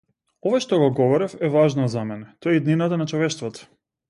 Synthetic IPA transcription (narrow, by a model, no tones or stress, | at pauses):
ɔvaʃt̪ɔɡɔɡɔvɔɾɛfɛvaʒnɔzamɛnɛt̪ɔɛid̪ninat̪anat͡ʃɔvɛʃt̪vɔt̪ɔ̥